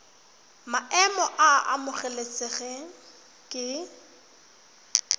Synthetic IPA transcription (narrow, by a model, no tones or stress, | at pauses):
maʔɛmɔʔaa̰mʊχɛlet͡sʼɪɣɛ | kʼɪ